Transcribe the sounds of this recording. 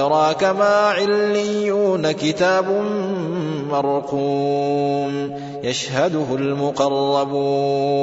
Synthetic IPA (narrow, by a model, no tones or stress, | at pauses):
ɑɾˤɑːkamaːʕɪlːɪjːuːnakɪt̪aːbʊm | mɑɾˤquː | m | jaʃhad̪ʊɦʊlmʊqɑrˤːɑbuː